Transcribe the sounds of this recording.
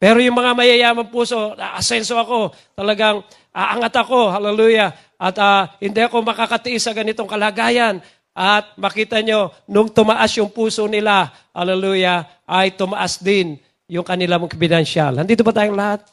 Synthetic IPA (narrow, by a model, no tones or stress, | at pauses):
pɛɾojʊŋmɐŋamɐjajaːmampuːsoaʔasɛnsoɐko̞ | t̪ɐlɐɡaŋ | ʔaʔaŋat̪ɐkoɦalɛluja | ʔat̪ahɪnd̪ɪɐko̞mɐkakat̪ɪʔɪsɐɡɐnɪt̪oŋkɐlaɡajan | ʔat̪̚mɐkiːt̪aɲonʊŋt̪ʊmaʔasjʊŋpuːsonɪla | ha̰lɛluːja | ʔajt̪ʊmaʔasd̪ɪn | jʊŋkɐnɪlamŋkbɪd̪ɛnʃalhand̪iːt̪̬ʊbat̪aːjʊŋlahat̪̚